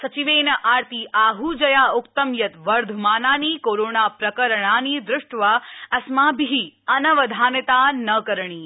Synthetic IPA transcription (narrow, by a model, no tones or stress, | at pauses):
sɐt͡ʃiʋeːnɐʔaːɾt̪iːʔaːɦud͡ʒɐjaːʊkt̪əmjɐt̪ʋɐɾd̪ʱumaːnaːniːkoːɾoːnaːpɾɐkəɾɳ̃aːniːd̪ɾʊʂʈʋaːɐsmãːbiɦiɐnɐʋɐd̪ʱaːnɐt̪anɐkəɾɳ̃iː